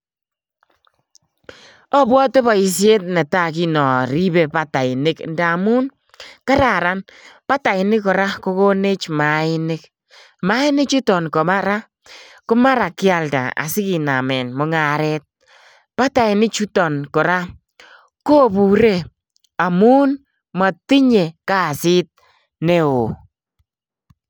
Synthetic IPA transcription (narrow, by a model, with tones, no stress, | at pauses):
ɔ˦bwɔ˦te˦bɔ˨i˨sje˦t̚nɛ˨ta˦˨k̬i˦nɔ˨ɾi˦be˨pa˦ta˨ɪ˨nɪ˦knda˨mu˦n | ka˦ɾa˨ɾa˦npa˦ta˨ɪ˨nɪ˦kɔ˨ɾa˦ko˦ko˦ne˦t͡ʃma˨ɪ˦nɪ˦k | ma˨˦ɪ˦nɪ˦kt͡ʃu˦tɔ˨nkɔ˨ma˦ɾa˦ | kʊ˦ma˦ɾa˨kɪ˦a˨lda̰˨a̰˨sɪ˦ki˨na˨mɛ˨nmɔ˨˦ŋa˨ɾɛ˦t̚ | pa˦ta˨ɪ˨nɪ˦kt͡ʃu˦tɔ˨nkɔ˨ɾa˦ | ko˦bu˨ɾe˦ | a˨mu˦n | ma˨ti˦ɲe˨ka˦˨sɪ˦t̚ | ne˦o˨